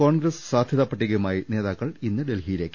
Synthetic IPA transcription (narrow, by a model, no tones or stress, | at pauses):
ko̞ːɳɡɾɐssaːd̪ʱjɐðɐːpːɐʈːiɣɐjumaːjine̞ːðaːkːɐɭinːɨɖelɦijileːkːu̥